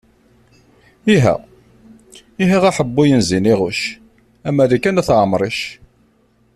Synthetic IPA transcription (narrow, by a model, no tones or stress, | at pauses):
iɦæ̰ | iɦiʁæħəbːujənziniʁuʃ | æmːæðækːænæθʕmɾˤiʃ